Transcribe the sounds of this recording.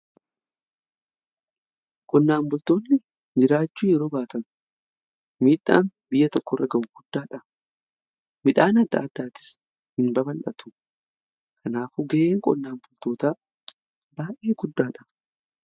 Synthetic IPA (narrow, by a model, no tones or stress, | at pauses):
kʼɔnːaːmbʊlt̪o̞ːnːɪ | d͡ʒɪɾaːt͡ʃːuːjɛɾoːbaːt̪ɐn | miːᶑa̰ːnbɪjːɐt̪ɔkːɔrːɐɡɐʔʊɡ̥ʊd̪ːaːᶑɐ | mɪᶑaːnɐd̪ːa̰ːd̪ːaːt̪ɪ̥s | hɪnbɐbɐlʔɐt̪ʰʊ̥ | kʰɐnaːfʊɡeʔeːŋkʼɔ̰nːaːmbʊlt̪o̞ːt̪aː | baːʔeːɡʊd̪ːaːᶑɐ̥